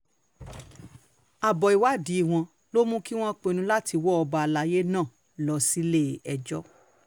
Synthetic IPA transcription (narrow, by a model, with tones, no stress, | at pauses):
a˨bɔ˨i˨wa˨˦di˨˦˨w̃ɔ̃˧ | lo˦mũ˦ki˦w̃ɔ̃˦k͡pẽ˧nũ˧˦la˦tʰi˧wɔ˦ɔ˧ba˧la˧˦je˦nãː˦˨ | lɔ˧si˦le˦˨ɛ˧d͡ʒɔ˦